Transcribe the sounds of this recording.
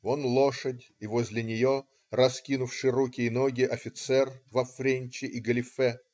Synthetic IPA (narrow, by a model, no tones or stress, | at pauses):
onlˠoʂədʲ | ivozʲlʲɪnʲɪjo | rɐskʲinʊfʂɨjɾukʲɪːnoɡʲɪʔɐfʲɪt̪sɛrvɐfɾʲenʲt͡ɕɪʔiɡəlʲɪfɛ